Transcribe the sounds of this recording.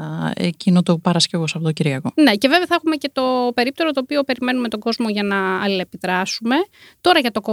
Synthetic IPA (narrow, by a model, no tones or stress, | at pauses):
ḛcinot̪opɐɾɐscevo̞sɐfot̪ociɾiʝɐko̞ne̞ce̞ve̞vθɐexumece̞t̪o̞pe̞ɾip̚t̪e̞ɾot̪o̞ːpio̞pe̞ɾime̞nume̞t̪o̞ɡo̞zmo̞ʝɐnɐɐliepiðɾɐsume̞ | t̪o̞ɾɐʝɐt̪o̞ko